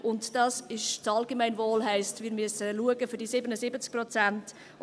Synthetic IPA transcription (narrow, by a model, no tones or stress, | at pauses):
ʔʊntd̥ɑːsɪʃt͡sɑlɡemæɪnvoːlɦɛɪstmɪːɾmyəsəluəɡəfʏɾd̥isɪbənəsɪbət͡sk̚prɔt͡sænt